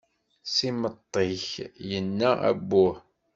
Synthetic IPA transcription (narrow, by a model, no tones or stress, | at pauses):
simət̪ˤːiçjənːææ̰bːʊh